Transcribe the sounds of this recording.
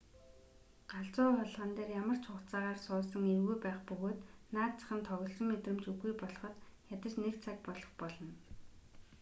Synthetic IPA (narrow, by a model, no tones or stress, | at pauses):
ɢ̥aɬt͡sʊːχɔɮʁə̆nt̪eːrjamə̆r̥t͡ɕʰʊkt͡saːʁaːrsʊːsə̆ŋerɣujpæːχpɵɣoːt̪naːt̪t͡sḁ̆χə̆nt̪ʰɔɣʲɞ̆ɮsɞ̆ŋmːet̪rɘ̆mt͡suɣujpɔɮχɞ̆t̪xʲat̪ə̆t͡ɕnekt͡sʰak̚pɔɮɞ̆χpɔɮɞ̆n